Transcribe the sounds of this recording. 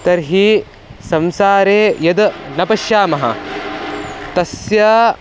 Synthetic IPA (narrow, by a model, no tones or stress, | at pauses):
t̪ɐɾɦi | sɐmsaːɾeːjɐd̪nɐpɐʃjaːmɐɦɐ̰ | t̪ɐsja